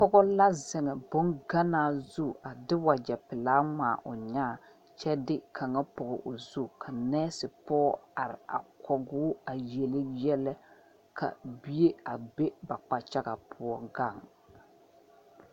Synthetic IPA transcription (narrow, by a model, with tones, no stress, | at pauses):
pɔ˦ɡɔ˦la˦zɪ˨ŋɛ˨bʊ˦nɡa˦naː˨zu˦a˨dɪ˦wa˨d͡ʒɛ˨pɪ˨laː˦ma̰ː˨ʔʊ˨ɲaː˦˨ | t͡ʃɛ˦dɪ˦kʰa˨ŋa˦pʊ˨ɡɔ̰˨ʔo˨zu˦kʰa˨nɛː˦sɪ˨pɔː˦a˨ɾɪ̰˨a̰˨kʰɔ˨ɡʊ˦a˨je˨lɪ˦jɛ˦lɛ˦ | kʰa̰˨bi˦e˦a˨be˦ba˨k͡pa˨t͡ʃa˦ɡa˨pʰʊ˨ɔ˨ɡa˦˨ŋ